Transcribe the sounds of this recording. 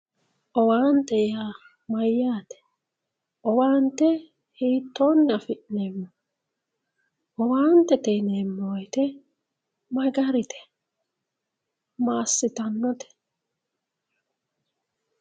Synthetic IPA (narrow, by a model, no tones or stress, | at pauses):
ʔɔwaːnt̪ɛjaː | mɐjːaːt̪ɛ̥ | ʔɔwaːnt̪ɛ | hiːt̪ːoːnːɐfɪʔnemːɔ | ɔwaːnt̪ːɛt̪ɛjnemːoːjt̪ɛ | mɐɡɐɾɪt̪ʰɛ̥ | maːsːɪt̪ɐnːɔt̪ʰɛ̥